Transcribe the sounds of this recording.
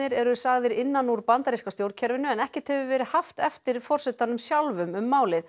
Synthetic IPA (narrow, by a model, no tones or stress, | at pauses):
ɪɾɛɾʏsaɣðɪɾɪnːanuɾpant̪aɾiskast̪jowɾcʰɛɾvɪnʏɛnɛhcɛt̪hɛvʏvɛːɾɪhaft̪ɛft̪ɪɾ̥fɔr̥sɛt̪anʏmsjalvʏmʏmːaːwlɪð